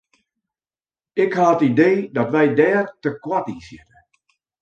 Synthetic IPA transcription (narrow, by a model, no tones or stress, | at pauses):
ɪkhaətideːdɔtʋɛjdɛːrtəkwatisjɪtə